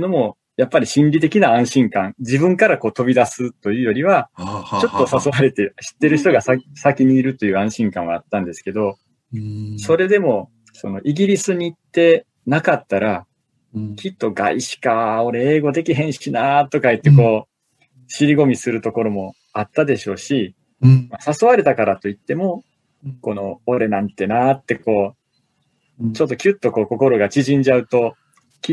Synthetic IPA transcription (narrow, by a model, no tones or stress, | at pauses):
no̞mo̞ | japːaɾʲiɕĩnɾʲit̪e̞kʲinaãɰ̃ɕĩŋkãnd͡ʑibɯ̟̃ŋkaɾako̞ːt̪o̞bʲid̪asɨt̪ːo̞jɯ̟ːjo̞ɾʲiβat͡ɕo̞t̪ːosasoβaɾe̞t̪eɕi̥t̪ːe̞ɾɯ̟çi̥t̪o̞ɡasasakʲiɲ̟iːɾɯ̟t̪o̞jɯ̟ːãɰ̃ɕĩŋkãɰ̃aːt̪ːãnd̪e̞sɨ̥ke̞d̪o̞ | so̞ɾe̞d̪e̞mo̞ | so̞no̞ʔiɡʲiɾʲisɨɲ̟iːt̪ːe̞ | nakat̪ːaɾa | kʲit̪ːo̞ɡa̰iɕi̥kao̞ɾe̞eːɡo̞d̪e̞kʲiɦẽ̞ɰ̃ɕinat̪ːo̞kait̪ːe̞ko̞ː | ɕiɾʲiɡo̞mʲisɨɾɯ̟t̪o̞ko̞ɾo̞mo̞ | at̪ːad̪e̞ɕo̞ːɕi | masasoβaɾe̞t̪akaɾat̪o̞it̪ːe̞mo̞ | ko̞no̞ːɾe̞nãnt̪e̞nat̪ːe̞ko̞ː | t͡ɕo̞t̪ːo̞kʲɯt̪ːo̞ko̞ːko̞ko̞ɾo̞ɡat͡ɕiʑĩɲ̟d͡ʑaɯ̟t̪o̞ | kʲi